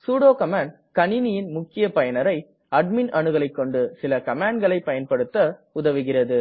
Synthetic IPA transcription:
suːɽoːkɐmaːɳɖ | kɐniːnɪjɪnmʊkːɪjɐpɐjɐnɐɾɐɪ | ɐɖ̚mɪnɐnɯɣɐɭɐɪkːɔɳɖɯsɪlɐkɐmaːɳɡɐɭɐɪpːɐjɐnpɐɽɯt̪ːɐʊðɐʋɪɣɪrɐðɯ

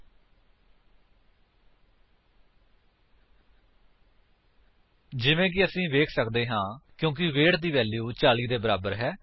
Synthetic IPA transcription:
d͡ʒɪʋẽːkɪəsĩːʋeːkʰsəkd̪eːɦãːkjõːk̬ɪʋeːʈd̪iːʋɛːljuːt͡ʃaːliːd̪eːbəɾaːbəɾɦɛː

